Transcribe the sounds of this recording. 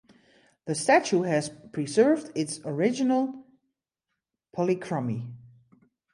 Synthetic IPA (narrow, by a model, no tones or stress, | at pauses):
ðɨstæt͡ʃuɦɨz̥pʰɹ̥izɜ˞vdɪtsə˞ɪd͡ʒɪnəl̩ˠ | pʰɔlikʰɹ̥ʌmi